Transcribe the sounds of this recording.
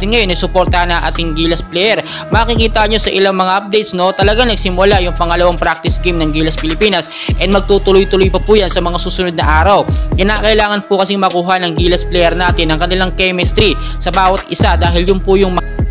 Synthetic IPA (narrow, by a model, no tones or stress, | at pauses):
ɪnŋɐjo̞nʔɐsʊpo̞ɾt̪ɐɐnɐŋʔa̰ːt̪ɪŋɡiːlɐsplɛjɛɾ | maːkɪkiːt̪ɐɲo̞sɐʔɪlaŋmɐŋaʔɐp̚d̪ɛjt̪sno̞t̪ɐlɐɡaŋnɐɡsɪmʊlajʊŋpɐŋɐlɐwaŋpɾak̚t̪ɪskimnɐŋɡiːlɐspɪlɪpiːnɐsʔɛnd̪̚mɐɡ̚t̪uːt̪ʊlojt̪ʊlojpɐpuːjansɐmɐŋasuːsʊnod̪̚nɐʔaːɾɐwkɪnaːkɐʔɪlaːŋɐnpʊkɐsɪŋmɐkuːɦɐnɐŋɡiːlɐsplɛjɛɾnaːt̪ɪnɐŋkɐnɪlaŋkɛmɛst̪ɾi | sɐbaːwɐt̪̚ɪsad̪aːɦɪljʊnpʊjʊŋmɐ